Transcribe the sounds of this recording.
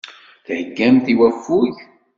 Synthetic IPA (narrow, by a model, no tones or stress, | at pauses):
θhəɡːæmθiwæfːuʝ